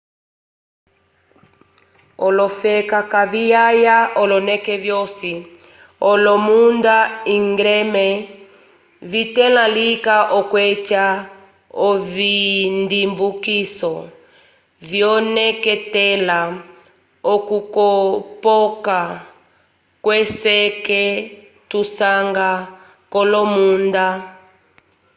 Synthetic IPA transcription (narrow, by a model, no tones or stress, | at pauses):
ɔlɔfɛkakavijajaɔlɔnɛkɛvjɔsi | ɔlɔmundaiŋɡɾɛmɛ | vitɛlalikaʔɔkwɛt͡ʃa | ɔvindimbukisɔ | vjɔnɛkɛtɛla | ɔkukɔpɔka | kwɛsɛkɛ | tusaŋɡa | kɔlɔmunda